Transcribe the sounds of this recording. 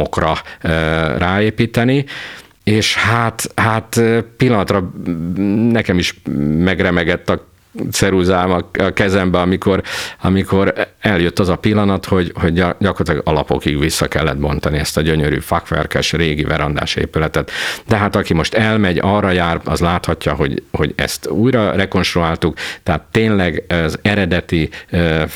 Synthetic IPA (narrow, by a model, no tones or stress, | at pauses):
okrɒ | raːeːpiːt̪ɛni | eːʃhat̪hat̪ːpilːɒnɒt̪rɒ | nɛkɛmiʃmɛɡrɛmɛɡɛt̪ːɒ | t̪sɛɾuzaːmɒɒkɛzɛmbɛɒmiko̞rɒmiko̞ɾɛljøt̪ːɒzɒpilːɒnɒt̪ho̞ɟho̞ɟɟɒkort̪lːɡɒlɒpo̞̰kiɡʋisːɒkɛlːɛ̰d̪̚bo̞nt̪ɒniɛst̪ɒɟøɲøɾy̰ːfɒkʋɛ̰rkɛʃreːɡivɛɾɒnd̪a̰ːʃḛːpylɛt̪ɛt̪d̪ɛɦaːt̪ɒkimo̞ʃt̪ɛlmɛɟɒrːɒjaːrɒ̰zlaːt̪hɒcːɒɦo̞ɟho̞̰ɟɛ̰st̪uːjɾɒrɛko̞nʃt̪ɾuaːlt̪ukt̪ɛɦat̪ːeːnlɛɡzɛɾɛd̪ɛt̪i